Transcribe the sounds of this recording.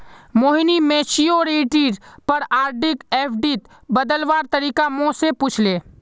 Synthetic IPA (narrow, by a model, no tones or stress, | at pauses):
moːɦinimet͡ʃioɾiʈiːɾpəɾaːɾʈɪkeːpʰɖit̪ | bəd̪əlʋaːɾt̪əɾiːkamõseput͡ʃʰleː